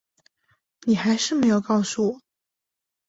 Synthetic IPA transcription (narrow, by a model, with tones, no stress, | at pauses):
ni˨˩xa˧˥ɪʂɻ̩˥˩me˧˥ɪjo˨˩ʊkɑ˥˩ʊsu˧˩wɔ˨˩˦